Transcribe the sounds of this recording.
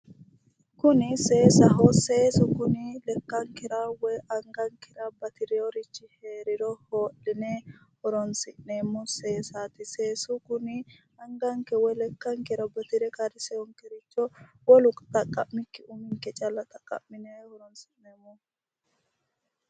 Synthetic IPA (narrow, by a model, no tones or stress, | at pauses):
kʊnɪse̞ːsɐɦɔse̞ːsʊkʊnɪlɛkːɐŋkɛɾɐwɔjɐŋɡɐŋkɛɾɐbɐt̪ɪɾɪjɔɾɪt͡ʃːɪheːɾɪɾɔhoːlːɪnehɔɾɔnsɪnneːmːʊseːsaːt̪ɪseːsʊkʊnɪ | ɐŋɡɐŋkɛwɔjlɛkːɐŋkɛɾɐbɐt̪ɪɾɛkɐɾɪsɛɔŋkɛɾɪt͡ʃːɔ | wɔlʊkʼt̪ʼɐkʼːɐʔmɪkːɪʊmɪŋkɛt͡ʃʼɐlːɐt̪ʼɐkʼːɐ̰ʔmːɪnehɔɾɔnsɪnneːmːʊ